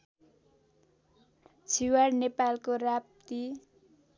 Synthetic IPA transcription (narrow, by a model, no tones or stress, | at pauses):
t͡sʰiwarnepalkorap̚t̪i